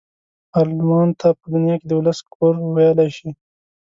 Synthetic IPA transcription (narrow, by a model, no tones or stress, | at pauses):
ɑlmɑnt̪ʰapəd̪ʊnjɑked̪əwʊlaskʰoɾwajəlaʃi